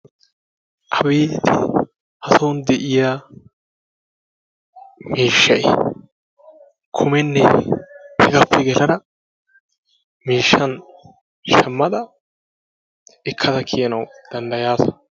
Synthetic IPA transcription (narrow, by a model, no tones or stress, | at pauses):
ʔɐbeːt̪ɪ | hɐsɐwnd̪ɛʔɪjaː | miːʃːɐj | kʰʊmɛnːɛ | hɛɡɐpːɛɡɛlɐnɐ | miːʃːɐn | ʃɛmːɐd̪ɐ | ɪkʰːɐd̪ɐkʰɪjɐnɐwd̪̥ɐnd̪ɐjaːsɐ̥